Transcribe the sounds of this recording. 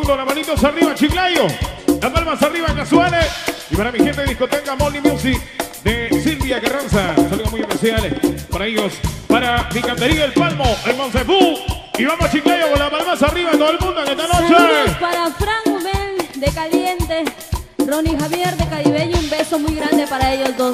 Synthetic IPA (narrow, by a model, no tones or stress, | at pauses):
nd̪olapalit̪osariβat͡ʃiklajolapalmasariβaeŋkaswaleipaɾamixent̪eðiskot̪ekamonimjusiðesilβjaɣeransasaluðomujehpesjalepaɾaeʝo̞spaɾabikant̪eɾiaelpalmoeŋmonsefu | iβamosat͡ʃiklaʝopolapalmasariβaent̪oelmũnd̪oenest̪anot͡ʃespaɾafɾaŋmend̪ekaljent̪e | ronixaβjeɾðekaɾiβeɲoumbesomujɣɾand̪epaɾaeʝozd̪os